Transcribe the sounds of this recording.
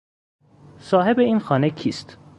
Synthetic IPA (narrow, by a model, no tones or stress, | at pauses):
sɒːɦe̞beiːnxɒːnekʰiːst̪